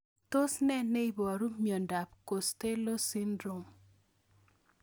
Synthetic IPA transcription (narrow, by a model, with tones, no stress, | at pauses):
to˦snɛ˦nɛ˦i˦bɔ˨ɾu˦mjɔ˨nda˨pko˨st̪e˦lo˦si˦ndɾo˨m